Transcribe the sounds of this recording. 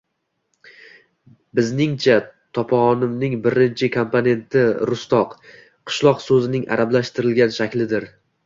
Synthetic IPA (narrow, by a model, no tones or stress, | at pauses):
bɪznɪŋt͡ʃʰat̪ʰɒpʰɒʁɒnɪmnɪŋbɪɾɪnt͡ʃʰɪkʰompʰone̞nt̪ʰɪɾʊst̪ɒq | qʰɨ̥ʃlˠɒqsɵzɪnɪŋʔa̰ɾablaʃt̪ɪɾɪlɡʲanʃakʲlɪd̪ɪɾ